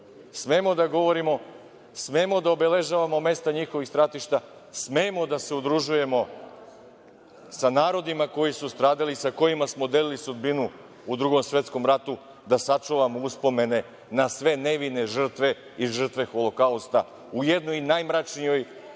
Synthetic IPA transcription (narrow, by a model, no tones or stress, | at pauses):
smeːmo̞d̪aɡo̞ʋo̞ɾimo̞ | smeːmo̞d̪aobe̞le̞ʒaʋamo̞me̞st̪aɲixoʋixst̪ɾat̪iʃt̪a | smeːmo̞d̪ase̞ud̪ɾuʒuje̞mo̞ | sanaːɾo̞d̪imako̞jisust̪ɾaːd̪alisako̞jimasmo̞d̪e̞lilisud̪binu | ud̪ɾuɡo̞msʋʲe̞t̪sko̞mɾat̪u | d̪asat͡ʃuʋamouspo̞me̞ne̞ | nasʋe̞ne̞ʋine̞ʒr̩t̪ʋe̞ | iʒr̩t̪ʋe̞xo̞lˠo̞kaust̪a | uje̞d̪nojinajmɾat͡ʃnijo̞j